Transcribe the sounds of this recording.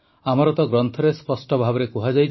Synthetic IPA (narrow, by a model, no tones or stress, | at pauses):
amɔɾɔt̪ɔɡɾɔnt̪ʰɔɾespɔsʈɔbʱabɔɾekuɦad͡ʒaj